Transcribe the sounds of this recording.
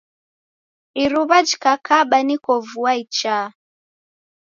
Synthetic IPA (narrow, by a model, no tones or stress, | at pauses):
iɾuβad͡ʒikakaɓanikɔvuait͡ʃa